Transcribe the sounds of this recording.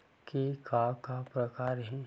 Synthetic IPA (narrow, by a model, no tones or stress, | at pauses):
kikakapɾəkaːɾɦĩ